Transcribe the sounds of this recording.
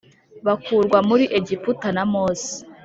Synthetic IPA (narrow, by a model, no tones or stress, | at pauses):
βakuːɾɡwamuɾiʔe̞ɟiputanamoːsi̥